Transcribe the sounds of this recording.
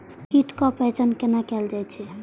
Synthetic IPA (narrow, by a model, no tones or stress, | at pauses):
kiʈkɔpɾet͡ʃənkenakɛld͡ʒajt͡ʃʰɛ